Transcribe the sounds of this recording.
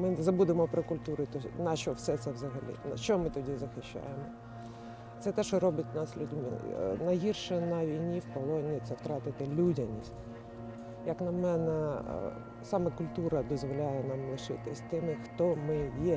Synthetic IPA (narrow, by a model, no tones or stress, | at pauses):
mɪzɐbud̪emɔpɾɔkʊlʲt̪uɾʊt̪ɔnɐʃɔwsɛt̪sɛʋzɐɦɐlʲḭnɐʃt͡ʃɔmɪt̪ɔdʲizɐxɪʃt͡ʃːa̰jemɔ | t̪sɛt̪ɛʃɔɾɔbʲɐtʲnɑslʲʊdʲmɪ̰nɐɦirʃɛnɐʋʲijnʲiwkɔlˠɔnʲit̪sɛwt̪ɾɑt̪ɪt̪ɪlʲudʲɐnʲisʲtʲ | jɐknɐmɛnɛ | sɑmɛkʊlʲt̪uɾɐd̪ɔzʋɔlʲajɛnɑmlˠɪʃɪ̰t̪ɪsʲt̪ɪmɪxt̪ɔmɪjɛ